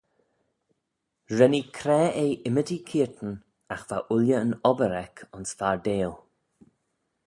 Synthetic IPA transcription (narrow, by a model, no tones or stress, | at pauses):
ɹɛnikʰɾɛːeːʔɪmədikʰiːɹt̪ən̩ | axv̥a̰ʔʊljəənɔbəɾɛkʰʊnsfaɹdeːl